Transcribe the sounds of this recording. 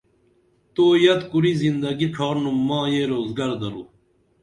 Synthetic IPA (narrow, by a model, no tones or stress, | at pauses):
t̪oːjɐt̪kuɾizind̪ɐɡiʈ͡ʂʰaːɾnumːãːjeɾoːzɡɐɾd̪ɐɾu